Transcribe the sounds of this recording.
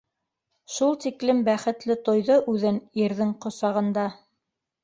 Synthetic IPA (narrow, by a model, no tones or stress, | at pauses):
ʃulˠt̪iklɘmbæχɘ̆t̪lɘt̪ŏjðɤʔʉðɘniɾðɘŋqŏsɑʁɤ̆nd̪ɑ